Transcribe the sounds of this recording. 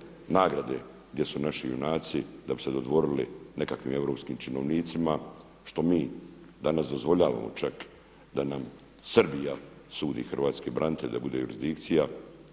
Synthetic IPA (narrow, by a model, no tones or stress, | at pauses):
naːɡɾad̪e̞ | ɡd̪je̞sunaʃijṵnaːt̪sid̪abi̥se̞d̪o̞d̪ʋo̞ɾiline̞kakʋḭːme̞vɾo̞ːpskiːmt͡ʃino̞ʋniːt̪sima | ʃt̪o̞miːd̪anasd̪o̞zvʋo̞ʎaːʋa̰mo̞̰t͡ʃak | d̪anam | srbija | suːd̪ḭxrʋaːt̪skibɾʔant̪elʲd̪abud̪e̞juɾizd̪ik̚t̪sija